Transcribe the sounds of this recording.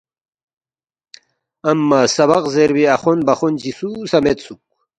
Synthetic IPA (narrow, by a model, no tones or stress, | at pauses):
ɐmːasɐβaqzeɾwiɐχonbɐχund͡ʑisusɐmet̪suk̚